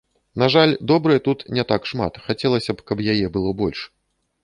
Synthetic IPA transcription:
naʐalʲd̪ɔbɾɨjɛt̪ut̪nʲɛt̪akʂma̰t̪xat͡sʲɛlˠɐsʲɐpkɐpjajɛbɨlˠɔbɔlʲʂ

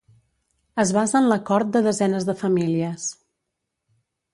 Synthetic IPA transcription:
əzβazənləkɔɾt̪̚d̪əðəzɛnəzðəfəmiliəs

